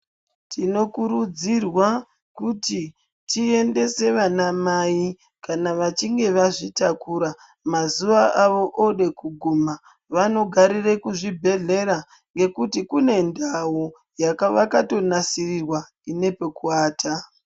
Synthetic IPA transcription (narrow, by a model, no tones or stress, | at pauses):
tʰino̞kuɾud͡zirwa | kuti | tʰie̞nde̞se̞ʋanamai | kanaʋat͡ʃiŋɡe̞ʋaʐitakuɾa | mazuʋaʔaʋo̞ʔoɗe̞kuɡʱuma | ʋano̞ɡʱaɾire̞kuʐibʱe̞ɮe̞ɾa | ŋɡe̞kutikune̞ndawo | jakaʋakato̞nasirirwa | ine̞pe̞kuaːtʰa